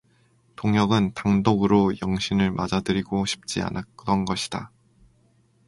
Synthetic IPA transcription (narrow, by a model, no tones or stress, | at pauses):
toŋɦjʌɡɯntaŋdoɡɯɾojʌŋɕʰinɯɭmad͡ʑadɯɾiɡoɕʰi̥p̚t͡ɕ͈ia̰nʔak͈ɯɾʌnɡʌɕʰi̥d̥a